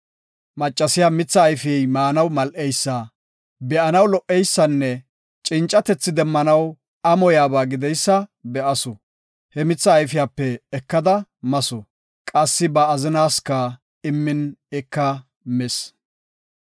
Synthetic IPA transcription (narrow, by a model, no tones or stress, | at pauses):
mɐt͡ʃʼːɐsɪjaːmɪt͡sːɐːjfɪjɛjmaːnɐwmɐlʔɛjsːɐ | bɛʔɐnɐwlɔʔːɛjsːɐnːɛ | t͡ʃʼɪnt͡ʃʼːɐt̪ɛt͡sːɪd̪ɛmːɐnɐw | ɐmɔjaːbaːɡɪd̪ɛjsːɐbɛʔɐsɔ | hɛmɪt͡sːɐːjfɪjaːpːɛːkːɐd̪ɐmɐsɔ | kʼɐsːɪbɐːzɪnaːskɐ | ɪmːɪnɛkːɐ | mɛs